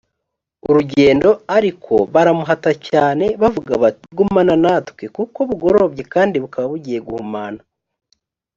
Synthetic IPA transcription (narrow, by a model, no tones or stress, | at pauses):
uɾuɟe̞ːndo̞aɾikʰo̞̰βaɾamuɦatacaːne̞βavuɡa̰βaɡumananatkwekuko̞βuɡo̞ɾo̞bɟe̞kaːndiβukaβaβuɟije̞ɡuhumana